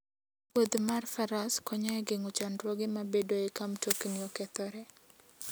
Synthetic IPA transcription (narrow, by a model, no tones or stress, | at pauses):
wod̪marfaɾaskɔɲaɛɡeŋot͡ʃandɾwɔɡɪmabedoekamtokniɔkɛt̪ɔɾɛ